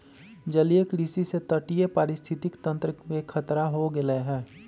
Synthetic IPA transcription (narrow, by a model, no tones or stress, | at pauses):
d͡ʒɐliekɾisiset̪əʈijepaːɾɪst̪ʰɪt̪ɪkt̪ə̃nt̪ɾəmekʰət̪ɾaɦoɡɪleɦɛ̃ː